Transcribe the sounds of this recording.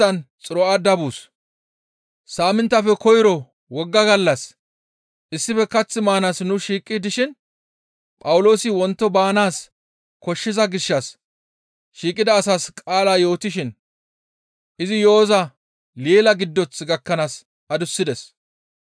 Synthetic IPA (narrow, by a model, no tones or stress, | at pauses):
ɐnt͡sʼɪɾɔad̪ɐbuːs | saːmɪnt̪ːɐfɛkɔjɪɾɔ | wɔɡːɐɡɐlːɐs | ʔɪsːɪfɛkɐt͡sːɪmaːnaːsnʊʃiːkʼːɪd̪ɪʃɪn | pʼɐwʊlo̞ːsɪwɔnt̪ːɔbaːnaːs | kɔʃːɪzɐɡɪʃːɐs | ʃiːkʼːɪd̪ɐːsaːskʼaːlaːjo̞ːt̪ɪʃ̬ɪn | ʔɪzɪjo̞ːzɐ | leːlɐɡɪd̪ːɔt͡sɡɐkːɐnaːs | ɐd̪ʊsːɪd̪ɛs